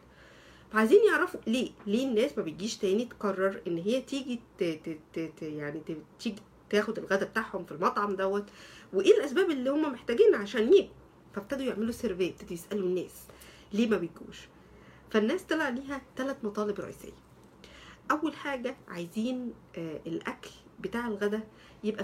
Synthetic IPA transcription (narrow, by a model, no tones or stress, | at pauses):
fæʕajziːnjeʕɾɑfuleːleːnːæːsmæbet̪̚ɡiːʃt̪æːnit̪kɑrˤːɑɾˤʔenːɦejːæt̪iːɡi | jaʕnit̪iːɡi | t̪æːxod̪elɣæd̪æbet̪aʕhomfilmɑt̪ˤʕɑmd̪æwːæt̪weʔeːlʔæsbæːbelːiːhomːæmeħt̪æːɡiːnʕaʃæːnjeːb̚u | fæbt̪æd̪ujeʕmeluseɾveːbt̪æd̪ujesʔælunːæ̰ːs | leːmæbet̪̚ɡṵːʃ | fænːæːst̪elʕaliːɦæt̪ælæt̪mɑt̪ˤɑːlebɾˤɑ̰ʔḭːsḛjːæ | ʔæwːælħaːɡæʕajziːn | ʔelʔæklbet̪aːʕelɣæd̪æ | jebʔæ